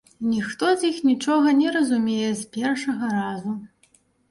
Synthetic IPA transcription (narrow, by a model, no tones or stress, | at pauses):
nʲixt̪ɔzʲixnʲit͡ʂɔɣɐnʲɛɾɐzumʲejɛzʲpʲɛrʂɐɣɐɾazu